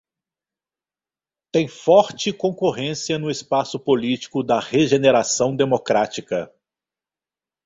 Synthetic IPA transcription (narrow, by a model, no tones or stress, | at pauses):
t̪ẽj̃fɔɾt͡ʃɪkõkoɦẽsiɐnʊɪspasʊpolit͡ʃi̥kʊd̪ɐheʒeneɾasɐ̃w̃d̪emokɾat͡ʃikɐ